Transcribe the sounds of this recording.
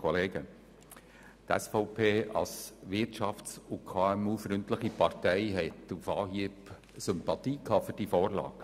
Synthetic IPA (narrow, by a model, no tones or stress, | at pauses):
kʰɔleːɡə | t̪ɛ̰sfɔʊpʰeːɑ̰lsʋɪɾtʃɑftsukʰɑːɛmuːfɾʏntləχipɑrtɛɪɦɛtufɑːɦiəp | sʏmpɑt̪iːkʰɑːfyɾd̥ifɔːɾlɑ̰ːɡ̥